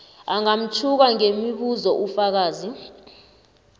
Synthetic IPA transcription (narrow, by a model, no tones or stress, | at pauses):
aŋam̩t͡ʃʰuk̬aŋemiɓuzɔʔufak̬aːzi